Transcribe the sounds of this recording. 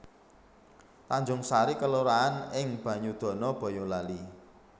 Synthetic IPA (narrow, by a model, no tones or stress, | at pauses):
t̪aɲd͡ʒʊŋsaɾikəluɾaːnɪŋb̥ä̤ɲud̪̥ɔ̤nɔb̥ɔ̤jɔlali